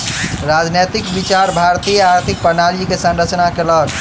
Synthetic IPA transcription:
ɾad͡ʒnet̪ikbit͡ʃaɾbʱaɾt̪ijəaɾt̪ʰik̚pəɾnaɾikesə̃nɾət͡ʃnakeləl

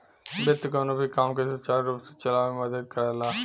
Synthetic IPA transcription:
bɪt̪ːkoːnobʱikaːmkesət͡ʃaːɾɾuːpse̥t͡ʃəlaːʋmeməd̪əd̪̚kəɾɛːlaː

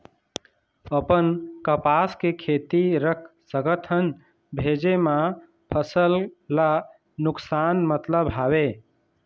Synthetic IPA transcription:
əpənkəpaskekʰet̪iɾəkʰsə̃ɡət̪ʰən | bʱed͡ʒema | pʰəsəlla | nuksanmət̪ləbɦabe

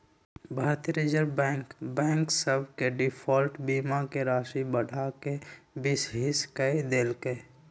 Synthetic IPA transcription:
bʱaːɾt̪iɾeːd͡ʒəɾbɛ̃ːŋkbɛ̃ːŋksəbʱkeɖɪpʰɔːlʈbiːmakeɾaːʃibəɽʱakebɪsɦɪskəid̪eːlke

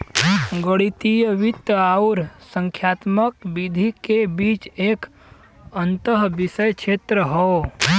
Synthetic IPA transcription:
ɡəɽit̪ijəʋɪt̪aʊɾsə̃ŋkʰjaːt̪məkbid̪ʱikebiːt͡ʃeːk | ənt̪əɦbɪsəjkʃʰeːt̪ɾəɦoː

